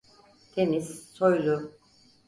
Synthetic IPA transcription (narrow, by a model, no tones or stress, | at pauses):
t̪ʰeniz̥ːojlˠu